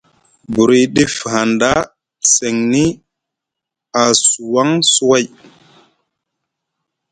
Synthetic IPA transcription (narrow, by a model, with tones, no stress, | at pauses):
bu˨ɾi˨ɗi˦fha˨nda˦ | se˨ŋni˦ | a˨su˨wa˦ŋsu˦wa˦j